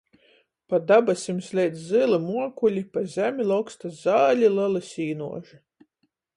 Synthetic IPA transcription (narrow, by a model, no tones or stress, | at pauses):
pad̪abasʲimsʲlʲɛjd̪zzɨlˠɨmuɔkulʲipazʲæmʲilˠawkst̪azaːlʲilˠɨlˠɨsʲiːnṵɔʒi